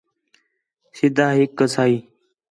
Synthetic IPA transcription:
sɪd̪ʱaːɦɪkːəsaːiː

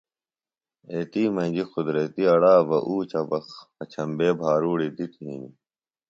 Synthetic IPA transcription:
eːt̪iːmɐ̃nʲd͡ʑixʊd̪ɾɐt̪iɐɽaːʋɐʔuːt͡ɕɐbɐxɐt͡ɕʰɐmbeːbʱaːɾuːɽid̪ikʰini

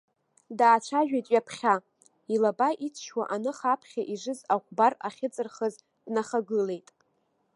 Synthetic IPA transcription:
daːt͡ʃʷʰaʒᶣatʼɥjapʰχʲa | ilabaʔit͡sʰʃwa̰ʔanɨχapʰχʲaʔiʐɨzaʁʷbaraχʲɪt͡sʼɨrχəz | dnaχaɡɨle̞jtʼ

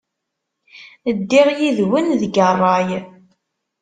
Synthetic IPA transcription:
əd̪ːiʁjiðwənðɡərˤːɑj

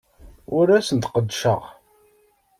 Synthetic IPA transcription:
ʊɾæsənt̪qəd̪ːʃəʁ

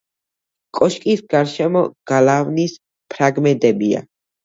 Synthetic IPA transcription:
kʼɔʃkʼisɡ̥aɾʃɛmɔɡ̥alavnis | pʰɾaɡmɛnt̪ʼɛbia̰

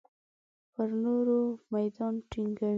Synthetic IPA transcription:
pəɾnoɾomajd̪ɑnʈiŋɡa

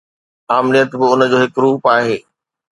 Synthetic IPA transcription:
aːmɪnijət̪bɪʊnə̆d͡ʑoːɦɪkɾuːpaːɦeː

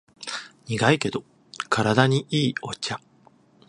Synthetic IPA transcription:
ɲiɡaike̞d̪o̞ | kʰaɾad̪aɲ̟iʔiːo̞t͡ɕa

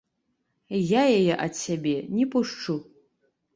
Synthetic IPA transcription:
jajajɛʔasʲabʲenʲipʼɨʂʈ͡ʂu

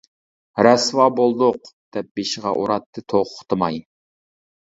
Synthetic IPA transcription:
ɾɛswɑːbolˠd̪ʊqd̪̥ɛp̚beʃʁɑ̰ʔo̰ɾɑt̪ʰːɨt̪ʰoqːt̪ʰɨmɑj

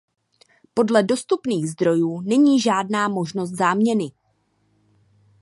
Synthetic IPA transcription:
po̞dlɛdo̞st̪upniːɣzd̪ɾo̞juːnɛɲiːʒaːdnaːmo̞ʒno̞s̬t̪zaːmɲɛnɪ

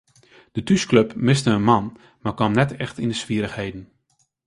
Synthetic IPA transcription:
d̥ətyskløpmɪstəənmɑn | markwamnɛtɛxtindəsfiəɾəxhejdən̩

